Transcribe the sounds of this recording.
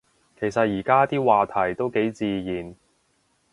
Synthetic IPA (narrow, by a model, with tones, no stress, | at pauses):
kʰe˨˩jsɐ˨t̚jiː˨˩kaː˥t̪iː˥waː˨t̪ʰɐ˨˩jt̪o˥wke˨˥jt͡siː˧jiː˨˩n